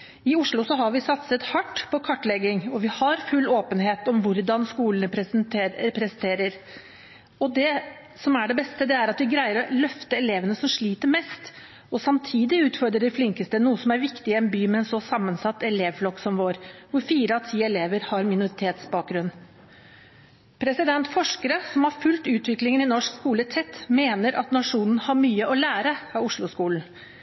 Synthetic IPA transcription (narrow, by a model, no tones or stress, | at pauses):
ɪʊʂɭʊsɔɦɑɾʋɪsɑt̪sət̪hɑʈːpʰɔkʰɑʈːɭɛɡɪŋɔʋɪhɑɾfʉlːoːpənɦeːt̪ɔmʋʊɾd̪ɑnskuːlənəpɾpʰɾɛsənt̪ʰeːɾəɾ | ɔd̪ɛ | sɔmæɖɛbɛst̪əd̪ɛæɾɑt̪ʋɪɡɾæɪəɾɔlœft̪əɛleːʋənəsɔmʂɭiːt̪əɾmɛst̪ | ɔsɑmt̪ʰiːd̪ɪʉːt̪fɔɾd̪ɾəɖɛɪflɪŋkəst̪ənuːəsɔmæɾʋɪkt̪ɪɛnbyːmɛɛnsɔsɑmːənsɑt̪ːɛleːʋflɔkːsɔmʋoːɾʋʊɾfiːɾəɑt̪ʰiːɛleːʋəɾhɑɾmɪnʊɾɪt̪ʰeːt̪sbɑːk̚ɡɾʉnː | pʰɾɛsɪd̪ɛnt̪fɔʂkəɾəsɔmhɑɾfʉlt̪ʉːt̪ʋɪklɪŋənɪnɔʂkskuːlət̪ʰɛt̪ːmeːnəɾʔɑ̰t̪nɑʂuːnn̩hɑɾmyːəʔɔlæːɾəɑʊʂɭʊskuːln̩